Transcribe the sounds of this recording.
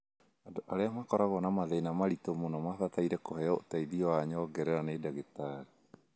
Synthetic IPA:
adoʔaɾeamakoɾaɡonamaðejnamaɾit̪omunamatat̪aiɾekoɦeoʔt̪ajdioaɲoɡeɾeɾanejdaɡet̪aɾi

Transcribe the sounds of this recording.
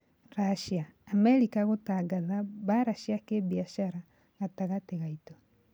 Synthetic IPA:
ɾaʃiaːmɛɾikaɣotaɡaðaβaɾaʃiakebiaʃaɾa | ɣataɣateɣaitɔ

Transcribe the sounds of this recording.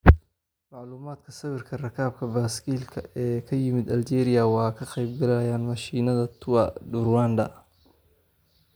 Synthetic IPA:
mɑʕluːmaːd̪kʰɐsɐβɪrkʰɐrɐkʰaːb̚kʰɐbaːskʰiːlkʰɐɛːkʰɐjɪmɪd̪ɐld͡ʒɛːɾɪjɐwɑːkʰɐqɛjb̚ɡɐlɛjaːnmɐʃiːnɐðɐt̪ʰʊwaɖʊɾwaːndɐ̰

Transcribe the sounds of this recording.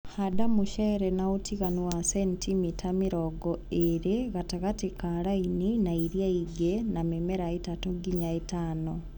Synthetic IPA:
hadamuʃeɾenaotiɣanuwasentimitʰamiɾoɡoeɾeɣataɣatikaɾaininaiɾjaiɡenamemeɾaetatoɡiɲaetaːno

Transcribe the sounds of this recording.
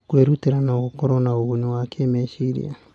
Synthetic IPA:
kueɾuteɾanaokokoɾonaounuakʰemesiɾḭa

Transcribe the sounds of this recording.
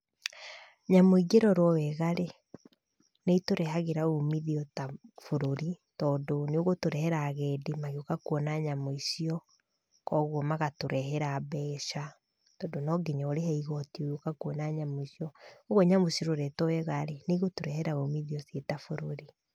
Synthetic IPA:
ɲamoiɡeɾɔɾwɔwɛɣaɾe | neitoɾɛhaɣeɾaomiðiɔtafoɾoɾi | tɔːdoneoɣotoɾɛhɛɾaɣɛːdemaɣeokakuɔnaɲamɔisiɔ | kɔɣwɔmaɣatoɾɛɦɛɾabɛːʃa | tɔdonɔɡeɲaoɾeɦɛiɣɔtioɣokakuɔnaɲamɔisiɔoɣoɲamosiɔɾoɾɛtɔwɛɣaɾeneɣotoɾɛhɛɾaomiðiɔsetafoɾoɾi

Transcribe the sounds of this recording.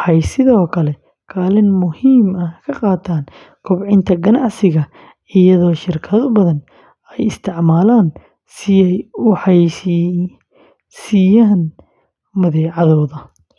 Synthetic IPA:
wħɑjsɪðɔːkʰɐlɛ | kʰaːlɪnmʊhiːmɐkʰɐqɑːt̪ʰaːn | kʰʊbʕɪnt̪ʰɐɡɐnɑʕsɪɣɐ | ɪjɐðɔːʃɪrkʰɐðʊbɐðɐn | ɛjɪst̪ʰɪʕmaːlaːn | sɪɛjħɑj | sɪjaːn | mɐðɛːʕɑðɔːðɐ

